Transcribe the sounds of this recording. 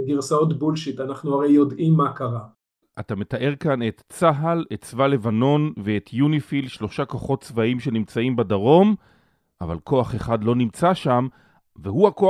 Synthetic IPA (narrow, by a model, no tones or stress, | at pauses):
ɡiʁsaot̪bulʃit̪anaχnuaʁejjo̞dʔimːakaʁa | ʔatame̞taʔe̞ʁkane̞t̪t͡saɦalett͡svale̞vano̞nveet̪ʰjunifilʃlo̞ʃakoχo̞tt͡svaimʃe̞nimt͡saimbadaʁo̞m | ʔava̰lko̞aχe̞χadlo̞nimt͡saʃam | veɦuako